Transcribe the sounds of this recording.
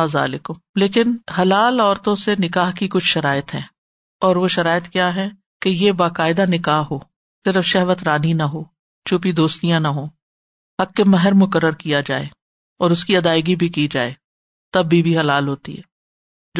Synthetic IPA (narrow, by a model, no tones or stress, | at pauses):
aːza̰ːlɪkʊmleːkɪnhɐlaːlɔːɾt̪õsenɪkaːɦkikʊt͡ʃʰʃɐɾaːjət̪ɦɛ̃ː | ɔːɾʋoʃɐɾaːjət̪kjaːɦɛ | kejebaːkaːɪd̪anɪkaːɦɦoː | sɪɾəfʃɛɦʋət̪ɾaːninɐɦoː | t͡ʃʰʊpid̪oːst̪ijãnɐɦoː | hɐk̚ːemɛɦəɾmʊkəɾːəɾkijad͡ʒa̰ːḛ | ɔːɾʊskiɐd̪aːɪɡibʱikid͡ʒa̰ːeː | t̪ɐbːibʱiɦɐlaːlɦoːt̪ḭɦɛ̰ː